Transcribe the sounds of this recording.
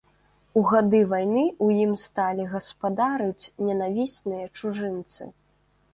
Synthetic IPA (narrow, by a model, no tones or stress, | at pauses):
uɣad̪ɨvajnɨujimst̪alʲiɣɐspad̪aɾɨt͡sʲnʲɛnavʲisʲnɨjɐt͡ʂuʐɨnt̪sɨ̰